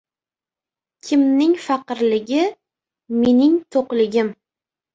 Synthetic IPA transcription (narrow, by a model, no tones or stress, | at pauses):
kʲʰɪmnɪŋfɑqɨɾlɪɡʲɪ | me̞nɪŋt̪ʰoqlɪɡʲɪm